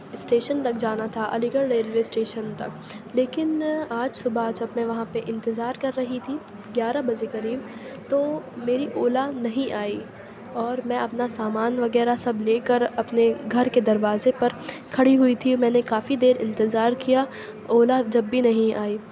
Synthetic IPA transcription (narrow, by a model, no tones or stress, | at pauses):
ɪsʈeːʃənt̪ɐk̚d͡ʒaːnat̪ʰaʔɐ̰lɪɡəɾɾeːlʋeːsʈeːʃənt̪ɐ̰kleːkɪnaːd͡ʒsʊbad͡ʒɐbmɛ̃ʋɐɦãpeʔɪ̃nt̪ɪzaːɾkɐɾːɐɦit̪ʰi | ɡjaːɾabɐd͡ʒekɐɾiːbt̪oːmeːɾiʔoːlanɐɦĩʔaːi | ɔːɾmɛ̃ɐpnasaːmaːnʋɐɡɛːɾasɐbleːkəɾɐpneɡʱɐɾked̪ɐɾʋaːzepɐɾkʰɐɽiɦʊit̪ʰimɛ̃ːnekaːfid̪eːɾɪ̃nt̪ɪzaːɾkija | oːlad͡ʒɐbːinɐɦĩaːiː